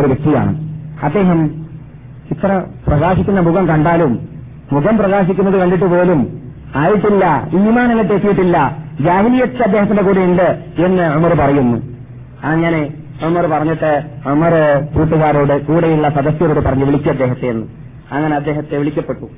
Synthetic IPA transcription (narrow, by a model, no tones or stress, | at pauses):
oɾuʋek̚t̪ija̰ːɳɨ̰ɐd̪ːe̞ːɦɐm | it̪rɐprɐɣaːɕikʲːunːɐmuɡɐmkɐɳɖaːlumː | uɣɐmprɐɣaːɕikʲːunːɐðɨkɐɳɖiʈ̬ːupo̞ːlum | aːjiʈːilːɐiːmaːnɐlɐd̪ːeːk̪ːijiʈːilːɐd͡ʑaːɦilijɐt̪ːɨɐd̪ːeɦɐt̪ːinɖe̞kuːɽiiɳɖɨ | e̞nːɨʕʊmɐrpɐrɐjunːṵ | ɐŋːɐne̞ | ʔumɐrpɐrɐɲːiʈːɨʔumɐrɨpuːt̪ːɐɣaːɾoːɽɨkuːɽɐjiɭːɐsɐd̪ɐsjɐɾoːɽɨpɐrɐɲːuʋiɭikʲːuɐd̪ːe̞ːɦɐt̪ːeenːu | ɐŋːɐne̞ɐd̪ːeːɦɐt̪ːeʋiɭikʲːɐpːe̞ʈːu